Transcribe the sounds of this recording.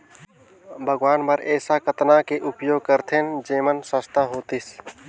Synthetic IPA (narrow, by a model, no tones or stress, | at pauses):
bʱəɡʋaːnpəɾɛːsakət̪nakeʔʊpjoːɡ̚kəɾt̪ʰẽnd͡ʒeːmənsə̃st̪ãɦoːt̪is